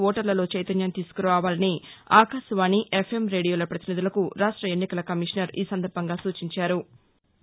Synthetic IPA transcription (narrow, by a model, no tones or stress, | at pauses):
ɔːʈɐɾlɐlo̞ːt͡ʃɐjt̪ɐnjɐmt̪iːsu̥kuɾʋaːʋaːlɐniaːkaːʃɐʋaːniʔe̞pʰe̞mɾe̞ːɖijoːlɐpɾɐt̪inid̪ulɐkuɾaːʂʈɾɐe̞nːikɐlɐkɐmiʂɐnɐɾḭːsɐnd̪ɐɾbʱɐŋɡaːsuːt͡ʃiɲt͡ʃaːɾu